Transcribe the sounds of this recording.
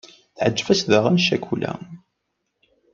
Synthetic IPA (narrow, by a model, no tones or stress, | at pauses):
θʕəd͡ʒːvæsðəʁænʃækulæ̰